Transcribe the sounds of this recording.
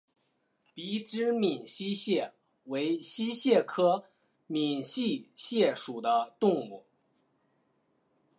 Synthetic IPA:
pi˧˥ʈ͡ʂɻ̩˥mi˨˩nɕi˥ɕjɛ˥˩ | we˧˥ɪɕi˥ɕjɛ˥˩kʰɤ˥ | mi˨˩nɕi˥˧ɕjɛ˥˩ʂu˨˩d̪ə˦t̪ʊ˥˧ŋmu˥˩

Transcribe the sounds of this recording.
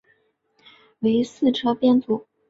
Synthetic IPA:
we˧˥ɪsɹ̩˥˧ʈ͡ʂʰɤ˥pjɛ˥˧nt͡su˨˩˦

